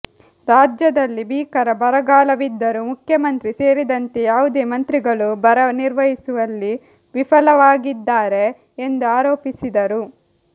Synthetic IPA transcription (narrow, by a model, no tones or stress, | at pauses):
ɾaːd͡ʒjɐd̪ɐlːibiːkɐɾɐbɐɾɐɡaːlɐʋid̪ːɐɾumukʰjɐmɐnt̪ɾise̞ːɾid̪ɐnt̪ejaːʋud̪e̞ːmɐnt̪ɾiɡɐɭubɐɾɐniɾʋɐɦisuʋɐlːi | ʋipʰɐlɐʋaːɡid̪ːaːɾe̞ː | nd̪uaːɾoːpisid̪ɐɾu